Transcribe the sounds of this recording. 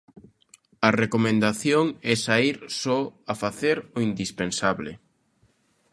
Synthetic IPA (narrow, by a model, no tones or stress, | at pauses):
ɐrekomẽnd̪aθjoŋɛsaiɾsɔafaθeɾʊind̪ispensaβlɪ̰